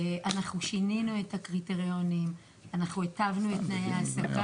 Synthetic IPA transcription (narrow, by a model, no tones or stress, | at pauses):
ʔanaχnuʃininue̞thakʁiteʁio̞nim | anaχnuetavnuetnajeaːsaka